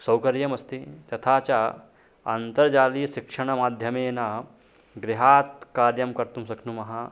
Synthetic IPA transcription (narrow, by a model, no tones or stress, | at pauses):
sɐwkɐɾjɐmɐst̪iːt̪ɐt̪ʰat͡ɕjaː | nt̪ɐɾd͡ʒaːliːɕikʂɐɳ̃ɐmaːd̪ʱjɐmeːna | ɡɾiɦaːt̪kaːɾjɐmkɐɾt̪umsɐkʰnuːmɐɦa